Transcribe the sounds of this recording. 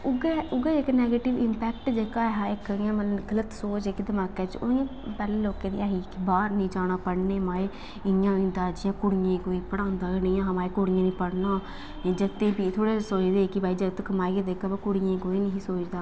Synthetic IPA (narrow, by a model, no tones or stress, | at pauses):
ʊɡeːʊɡeːekːnɛːɡeːʈɪʋɪmpɛːkʈd͡ʒeːkaːɦãːɪkjãːmələɡələt̪soːt͡ʃekd̪əmaːkeːt͡ʃo̰jãːpɛːleːloːkẽːd̪ḭːaːɦiːkɪbaːɾnĩːd͡ʒaːɽ̃aːpəɽneːmaːe | ɪjãːɪ̃nd̪aːd͡ʒɪjãːkʊɽɪjãːkoːiːpəɽ̃ãːnd̪aːkːnĩːãːɦbaːekoɽɪjãːnĩːpəɽnãː | ed͡ʒət̪ːẽːpiːt̪ʰoːɽeːsoːt͡ʃd̪eːkɪbaːiːd͡ʒəɡət̪kəmaːiked̪eːkaːbakʊɽɪjãːkoːiːnəɦĩːsoːt͡ʃd̪aː